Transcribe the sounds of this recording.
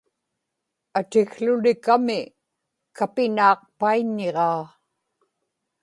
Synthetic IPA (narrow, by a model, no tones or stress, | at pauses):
at̪ɪɣɬʊlɪkamɪ | kapɪnɑːq̚paiɲːeʁɑː